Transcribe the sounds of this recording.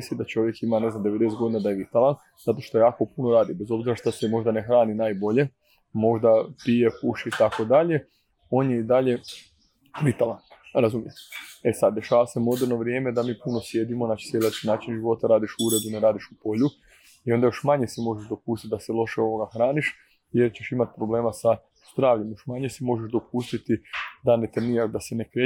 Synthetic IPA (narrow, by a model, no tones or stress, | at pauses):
sid̪at͡ʃo̞ʋje̞kimaneznamd̪eʋe̞d̪eset̪ɡo̞d̪inad̪aje̞ʋit̪alˠan | z̥at̪o̞ʃt̪ojaːko̞puno̞ɾaːd̪ibe̞zo̞bziɾaʃt̪asemo̞ʒd̪ane̞xɾaːninaːjbo̞ʎe̞ | mo̞ʒd̪apijekuʃiːt̪ako̞d̪aʎe̞ | o̞ːnje̞id̪aʎe̞ | ʋit̪alˠanɾazumjemesad̪̚d̪e̞ʃaːʋase̞mo̞d̪eɾno̞ʋɾje̞ːme̞d̪amiːpuno̞sje̞d̪imonḁsjelat͡ʃinaːt͡ʃinʒiʋo̞t̪aɾaːd̪iʃuuɾe̞d̪uneɾaːd̪iʃupo̞ʎu | io̞nd̪ajo̞ʃmaɲesimo̞ʒeʒd̪o̞puːst̪it̪̚d̪aselˠo̞ʃeo̞ʋo̞ɡaxɾaːniʃ | jeɾt͡ɕe̞ʃimat̪̚pɾo̞ble̞ːmasa | z̥d̪ɾaːʋʎe̞mjo̞ʃmaɲesimo̞ʒeʒd̪o̞pust̪it̪id̪ane̞t̪ɾniːɾaʒd̪asenekɾe